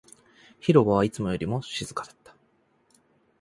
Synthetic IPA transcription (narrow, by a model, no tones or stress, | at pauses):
çiɾo̞ɡoβ̞ait͡sɨmo̞jo̞ɾʲimo̞ɕizɨkad̪ḁt̪ːḁ